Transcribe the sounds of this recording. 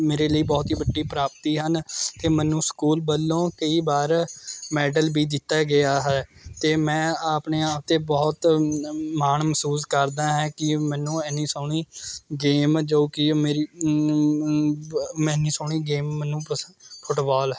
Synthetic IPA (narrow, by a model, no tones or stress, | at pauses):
meːɾeːləiːbɔːt̪ɦiːbəɖːiːpɾaːp̚t̪iːɦənt̪eːmɛ̃ːnːũːskuːlbəlːõːkəiːbaːɾmɛːɖəlbiːd̪ɪt̪ːaːɡɪaːɦɛːt̪eːmɛ̃ːaːpɳeːaːp̚t̪eːbɔːt̪ | maːɳməsuːskəɾd̪aːɦɛ̃ːkɪmɛ̃ːnũːɛːniːsɔːɳiːɡeːmd͡ʒoːkɪmeːɾiː | mɛ̃ːnĩːsɔːɳiːɡeːmːmɛːnːũːpəpʰʊʈbɔːlɛ